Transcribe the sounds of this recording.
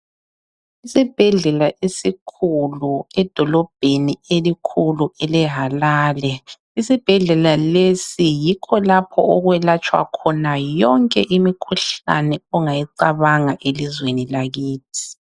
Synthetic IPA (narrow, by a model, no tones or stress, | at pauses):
isib̥ʱɛɮɛlaʔesikʰuluɛd̥ʱɔlɔb̥̚ʱenielikʰuluɛlɛɦalaːlɛ | isib̥ʱɛɮɛlalesijikʰɔlapʰɔ̰ɔɣwɛlat͡ʃʼwa̰kʰɔnajɔŋkʼɛ̰ʔimikʰuɬa̰nɛɔŋajiǀaβaŋaʔelizwenilaɣiːtʰi̥